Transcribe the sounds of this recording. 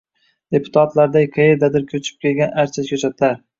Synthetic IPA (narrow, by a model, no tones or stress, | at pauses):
d̪̥e̞pʰʊ̥t̪ʰat̪laɾd̪ajqʰejɪɾd̪ad̪ɪɾkʲʰɵt͡ʃʰɪ̥p̚kʲe̞lɡʲanʔaɾt͡ʃʰaskʲʰɵt͡ʃʰat̪laɾ